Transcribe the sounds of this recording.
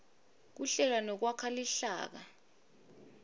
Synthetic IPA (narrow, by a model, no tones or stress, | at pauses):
k̬uɬɛl̬anɔk̬wakʰaliɬa̰ːk̬a